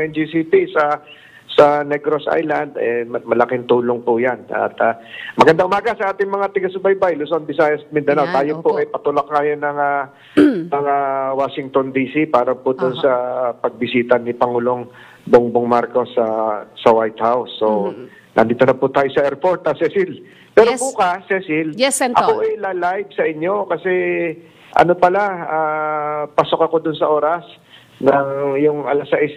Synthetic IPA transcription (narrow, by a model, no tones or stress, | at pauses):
ʔɛnd͡ʒisiːt̪isɐ | sɐnɛɡɾosʔa̰jland̪ɛmɐlɐkɪŋt̪uːloŋpʊjanɐ̰t̪ɐmɐɡɐnd̪aʔʊmaːɡɐsɐʔaːt̪ɪŋmɐŋat̪ɪɡasʊbɐjbajlʊsonbɪsaːjɐsmɪnd̪ɐnawt̪aːjopoʔɐjpɐt̪ʊlak̚ŋajonɐŋɐ | nɐŋɐwaːʃɪŋt̪ond̪iːsipaːɾɐpʊd̪ʊnsɐpɐɡ̚bɪsiːt̪ɐnɪpɐŋuːlo̞ŋ | boŋboŋmaɾko̞sːɐsɐwajt̪hawsːo | nʔɐ̰nd̪iːt̪onɐput̪aːjosɐʔɛɹfoɾt̪ɐsɛsɪl | pɛːɾopuːkasɛsɪljɛsʔɐ̰koʔɐjlaːlajvsɐʔɪɲːo̞kɐsɛ | ʔɐ̰no̞pɐlaaːpɐso̞kɐko̞d̪ʊnsɐʔo̞ːɾɐs | nɐŋjʊŋʔɐlasɐʔɪs